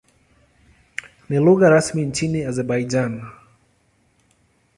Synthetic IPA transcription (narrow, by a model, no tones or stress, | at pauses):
niluɣaɾasmint͡ʃiniazɛɾbaid͡ʒan